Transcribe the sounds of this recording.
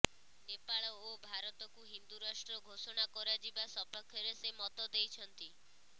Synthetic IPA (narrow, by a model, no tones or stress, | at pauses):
nepaɭɔobʱaɾɔt̪ɔkuɦind̪uɾasʈɾɔɡʱosɔɽ̃akɔɾad͡ʒibasɔpakʰːjɔɾesemɔt̪ɔd̪ejt͡ʃʰɔnt̪i